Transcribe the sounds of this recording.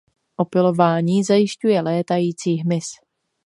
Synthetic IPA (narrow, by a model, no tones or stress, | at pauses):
ʔo̞pɪlo̞vaːɲiːzajɪʃcujɛlɛːt̪ajiːt͡siːɦmɪs